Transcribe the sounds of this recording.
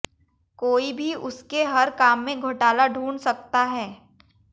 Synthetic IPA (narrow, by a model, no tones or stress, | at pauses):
koːibʱiʔʊskeɦɐɾkaːmːẽɡʱʊʈaːlaɖʱuːɳsɐk̚t̪aɦɛː